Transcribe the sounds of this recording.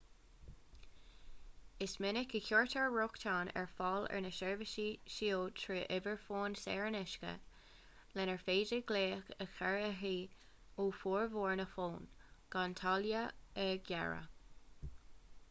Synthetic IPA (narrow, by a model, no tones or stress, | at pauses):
ɪsmɪnɪkəkoɹtʰəɹɹʊktʰaːnɛ̰ɹfɑːlɛ̰ɹnəʃɛɹvəʃiʃioːtʰɹiːʔɪvəɹfoːnsɛ̰ːɹnɪʃkə̰ | lɛnɛɹfeːd͡ʒəɡleːxəxɛɹəɦiː | uːfuːɹvoːɹnəfoːnɡ̥ant̪ʰaljəəɡjɛ̰ɹə̰